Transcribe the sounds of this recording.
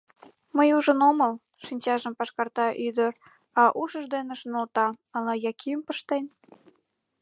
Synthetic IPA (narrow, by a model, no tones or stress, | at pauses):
məjuʒənoməl | ʃinʲt͡ɕɑʒəmpɑʃkɑrt̪ɑʔyd̪ər | ɑʔuʃəʒd̪eneʃnolt̪ɑɑlɑjɑkʰiəmpəʃt̪en